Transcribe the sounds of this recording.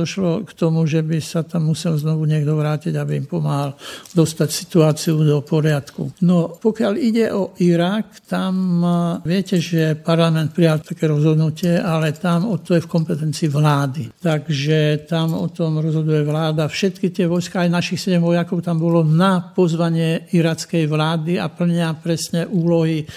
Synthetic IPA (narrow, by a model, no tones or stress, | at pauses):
d̪ɔʃlɔkt̪ɔmuʒɛbisat̪amːusɛlznɔʋuɲɪɛɡd̪ɔʋɾaːciɟabiimpɔmaɦald̪ɔst̪acsi̥t̪uaːt͡siud̪ɔpɔɾɪat̪kṵnɔpɔkɪaliɟɛʔɔʔiɾakt̪amʋɪɛcɛʒɛpaɾlamɛnt̪̚pɾijalt̪akɛːɾɔzɦɔd̪nucɪɛʔalɛt̪amɔt̪ɔjɛfkɔmpɛt̪ɛnt͡siːʋlaːd̪it̪aɡʒɛt̪amɔ̰t̪ɔmɾɔzɦɔd̪ujɛʋlaːd̪afʃɛt̪kit̪ɪɛʋɔjskaajnaʃixsɛɟɛmʋɔjakɔʊt̪ambɔlɔnapɔzʋaɲɪɛiɾat͡skɛjʋlaːd̪ia̰pl̩ɲɪapɾɛsɲɛʔuːlɔɦi